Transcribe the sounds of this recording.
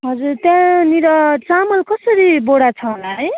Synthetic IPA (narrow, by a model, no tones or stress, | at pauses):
ɦʌd͡zurt̪jãniɾʌt͡samʌlkʌsʌɾiboɽat͡sʰʌɦolaɦʌj